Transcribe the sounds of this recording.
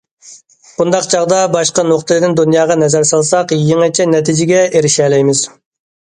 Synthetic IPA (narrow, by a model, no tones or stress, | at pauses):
bund̪ɑqt͡ʃʰɑʁd̪ɑbɑʃqɑnoqt̪ɨlɨɪd̪ɪnd̪unjɑːʁɑnɛzɛɾsɑlˠsɑqjeŋɛt͡ʃʰɛnɛt̪ʰid͡ʒɪɡʲɛeɾɪʃɛːlɛjmɪz̥